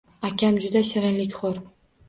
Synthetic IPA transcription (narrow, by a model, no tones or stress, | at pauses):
akʲamd͡ʒʊd̪aʃɪɾɪnlɪkʲχoɾ